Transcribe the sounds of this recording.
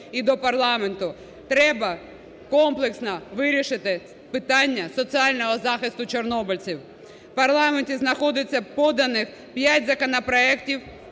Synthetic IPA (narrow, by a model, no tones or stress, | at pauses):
id̪ɔpɐrlˠɑment̪ʊ | t̪ɾɛbɐ | kɔmplˠeksnɐʋɪɾʲiʃɪt̪ɪ | pɪt̪ɑnʲːɐsɔt͡s̪iɑlʲnɔɦɔzɑxɪst̪ʊt͡ʃernɔbɔlʲt͡sʲiw | pɐrlˠɑmentʲiznɐxɔd̪ɪt͡sʲːɐpɔd̪ɐnɪx | pʲjatʲzɐkɔnɐpɾɔɛktʲiw